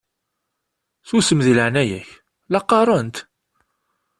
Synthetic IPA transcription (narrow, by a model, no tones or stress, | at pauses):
θusəmðiləʕnæjæç | lɑqːɑɾˤɑnt̪